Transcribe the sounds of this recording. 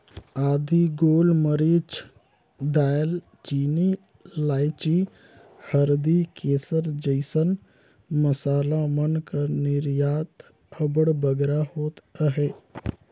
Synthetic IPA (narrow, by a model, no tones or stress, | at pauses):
aːd̪iɡoːlməɾiːt͡ʃ | d̪aːjəl | t͡ʃiːni | laːɪt͡ʃi | həɾd̪ikeːsəɾd͡ʒəɪsən | məsaːlamənkanɪɾjaːt̪ | əbəɽbəɡɾahoːt̪əɦɛː